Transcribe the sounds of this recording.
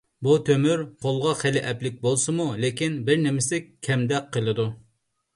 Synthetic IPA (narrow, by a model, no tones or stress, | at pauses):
but̪ʰømyɾqʰolˠʁɑχelɪʔɛplɪk̚ʲbolˠsɨmulekʲinbɪɾnɪmɪsɪkʲʰːɛmd̪ɛkqʰːəlˠɨd̪u